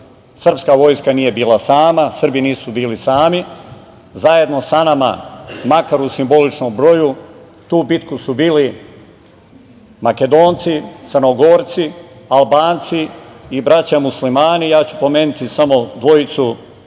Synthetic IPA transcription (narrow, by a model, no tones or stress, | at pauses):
sr̩pskaʋo̞jskanije̞biːlˠasaːmasərbiniːsubiːlisaːmi | zaje̞d̪no̞sanama̰makaɾusimbo̞lit͡ʃnombɾo̞ju | t̪uːbit̪kusubiːli | make̞d̪o̞ːnt̪sit̪sərnoɡo̞ːɾt̪sialˠbaːnt̪siːbɾat͡ɕamuslimaːnijaːt͡ɕupo̞meːnit̪isamo̞d̪ʋo̞it̪su